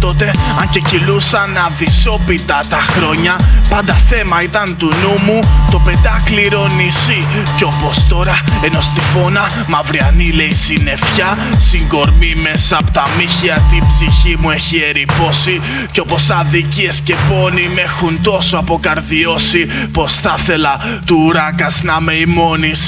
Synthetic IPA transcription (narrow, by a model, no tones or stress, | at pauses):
t̪o̞t̪e̞ɐɲce̞cilusɐnɐðiso̞pit̪ɐt̪ɐxɾo̞ɲɐpɐnd̪ɐθe̞mɐit̪ɐnt̪unumut̪o̞pe̞nd̪ɐkliɾo̞nisi | ceo̞po̞st̪o̞ɾɐe̞no̞st̪ifo̞nɐ | mɐvɾiɐnile̞isine̞fçɐsiŋɡo̞ɾmime̞sɐːpot̪ɐmiçiɐt̪ibsiçimue̞çie̞ɾipo̞si | ceo̞po̞sɐðiciesce̞po̞nimexunt̪o̞soɐpo̞kɐɾðio̞sipo̞sθɐθe̞lɐt̪uɾɐkɐsnɐmeimo̞nis